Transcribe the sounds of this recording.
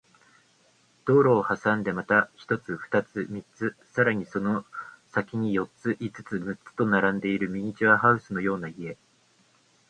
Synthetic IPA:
d̪̥o̞ːɾo̞ːhasãnd̪e̞mat̪açi̥t̪o̞t͡sɨɸɯ̥t̪at͡sɨmʲit͡sɨsaɾaɲ̟iso̞nosakʲiɲ̟ijo̞t͡sɨʔit͡sɨ̥t͡sɨmɯ̟t͡sɨ̥t̪o̞naɾãnd̪e̞iɾɯ̟mʲiɲ̟it͡ɕiβaɦaɯ̟sɨno̞jo̞ːnaie̞

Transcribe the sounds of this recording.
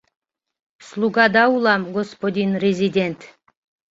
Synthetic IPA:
slˠuɡɑd̪ɑulˠɑmɡospod̪ʲinrʲezʲid̪ʲent̪

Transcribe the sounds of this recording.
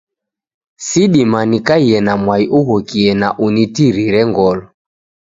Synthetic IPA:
siɗimanikaiɛnamwaiʔuɣɔkiɛnaʔunitiɾiɾɛŋɡɔlɔ

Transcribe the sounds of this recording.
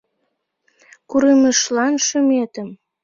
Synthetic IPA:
kuɾəməʃlɑnʃəmet̪əm

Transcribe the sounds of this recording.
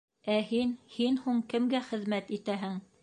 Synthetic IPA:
æhinhinhuɴkɘ̆mɡæχɘ̆ðmæt̪it̪æɦɘŋ

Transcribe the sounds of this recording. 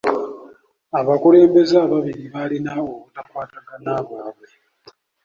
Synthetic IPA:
aβakule̞ːmbe̞zaːβaβiɾiβalinaokutakwaːtaɡanaβwaːβwe̞

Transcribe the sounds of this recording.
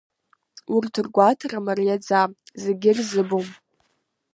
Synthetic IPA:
urtʰɨrɡʷatʰaramarijad͡zazeɡʲɪrzɨbom

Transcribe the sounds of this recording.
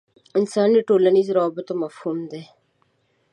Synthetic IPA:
ɪnsaːnːeʈoːlənizɾɔːbət̪omɐfhuːmd̪e

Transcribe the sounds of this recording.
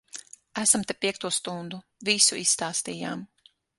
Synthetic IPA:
æsamt̪epʲiɛk̚t̪uɔst̪und̪uvisuisːt̪aːst̪ija̰ːm

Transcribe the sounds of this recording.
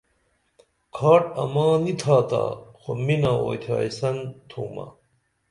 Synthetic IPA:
kʰaːʈɐ̰mãːnit̪ʰaːt̪a̰ːxominaːoːjt̪ʰaːisɐnt̪ʰuːma̰

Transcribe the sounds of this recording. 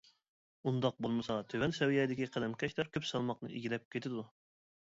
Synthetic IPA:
und̪ɑq̚bolˠmɨsɑt̪ʰøwɛnsɛwjɛd̪ɪkʲiqʰæd̪ɛmkʲʰɛʃlɛɾkʲʰøpsɑlˠmɑqnɨ̰ʔḭɡʲilɛp̚kʲʰet̪ʰɪd̪u

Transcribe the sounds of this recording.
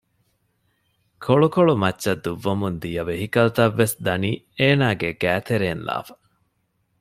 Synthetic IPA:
kʰoɭukoɭumɐtːʃɐd̪ːuʋːɐmund̪ijɐʋeɦikɐlt̪ɐʋːesd̪ɐniː | eːnaːɡeɡæːt̪eɾeːnla̰ːfɐ̥

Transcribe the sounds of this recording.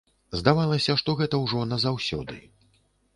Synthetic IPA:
zd̪avalˠɐsʲɐʂt̪ɔɣɛt̪ɐwʐɔnɐzawsʲɔ̰d̪ɨ̰

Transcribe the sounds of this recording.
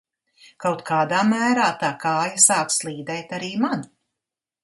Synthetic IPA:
kawt̪kʰaːd̪aːmæːɾaːt̪aːkaːjasaːkslˠiːd̪ɛjt̪aɾiːman

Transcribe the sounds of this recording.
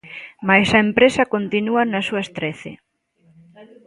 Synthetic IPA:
majsɐempɾesɐkont̪inuɐnɐsuɐest̪ɾeθɪ̰

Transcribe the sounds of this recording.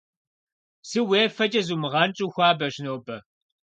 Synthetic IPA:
sɨweːfɐt͡ʃʼɐzuːmɨʁɐnt͡ʃʼuːxʷɑːbɐʒnoːbɐ

